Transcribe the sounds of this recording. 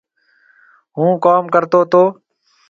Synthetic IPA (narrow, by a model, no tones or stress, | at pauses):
ɦũːkaːmkəɾt̪oːt̪oː